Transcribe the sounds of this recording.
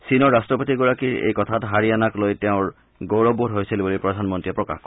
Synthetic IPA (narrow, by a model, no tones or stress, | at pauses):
sinɔɹːastɹɔpotiɡuɹakiɹḛjkɔtʰatɦaɹianaklojteʊ̃ɹ | ɡowɹɔbuɾɦojsilibɔlojpɹɔdʱanmɔntɹiɛpɹɔka̰xk